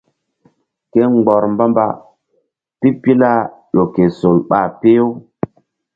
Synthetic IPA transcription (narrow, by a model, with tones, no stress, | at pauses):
ke˦ŋ͡mɡ͡bɔ˨ɾmba˦mba̰˦ | pi˦pi˦la˦ɗo˨ke˨so˨lɓa˨pe˦o˦